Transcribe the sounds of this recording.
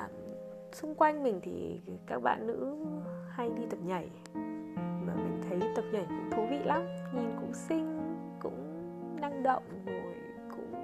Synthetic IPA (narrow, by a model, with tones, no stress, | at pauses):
ə˨˩m | sʊ˧ŋ͡mkwa˧jŋ̟mï˨˩ŋ̟t̪ʰḭ˨˩kaː˦˥k̚ɓa̰ː˧˨nːɨ̰˧˥ha˧jɗi˧t̪ə˨˩p̚ɲa˨˩j | maː˨˩mï˨˩ŋ̟t̪ʰə˨˦jt̪ə˨˩p̚ɲa˨˩jkʊ̰˧˥ŋ͡mt̪ʰu˨˦vḭ˧˨la˨˦mɲɛ˧nkʊ̰˧˥ŋ͡msï˧ŋ̟ | kʊ̰˧˥ŋ͡m | na˧ŋɗə̰˧˨wŋ͡mzo˨˩j | kʊ̰˧˥ŋ͡m